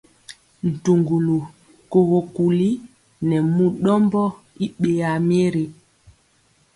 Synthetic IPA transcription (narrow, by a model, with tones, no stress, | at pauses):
n̩˨tu˨ŋɡu˨lu˨ | ko˨ɣo˨ku˨li˦ | nɛ˨mu˦ɗɔ˦mbɔ˦ | i˦ɓe˨a˨mi˦e˦ɾe˨